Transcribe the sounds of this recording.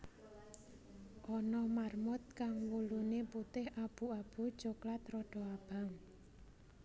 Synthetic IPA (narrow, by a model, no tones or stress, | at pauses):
ʔɔnɔmarmʊt̪̚kaŋwuluneput̪ɪhʔab̥ṳab̥ṳd̥ʒ̥oklat̪rɔɖ̥ɔ̤ab̥a̤ŋ